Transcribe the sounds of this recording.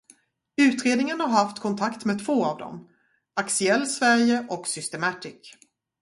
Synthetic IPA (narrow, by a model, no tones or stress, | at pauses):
ʉ̟ːt̪ɾeːd̪nɪŋənhaɾhaft̪kʰɔnt̪ʰakt̪meːd̪t̪ʰvoːavd̪ɔ̰m | aksʏɛlːsvæɾjəʔɔksʏst̪ɛmɑt̪ɪk